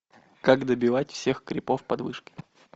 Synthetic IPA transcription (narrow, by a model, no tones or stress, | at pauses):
kaɡd̪əbʲɪvatʲfsʲe̞xkɾʲɪpo̞fpɐd̪vɨʂkʲɪ̥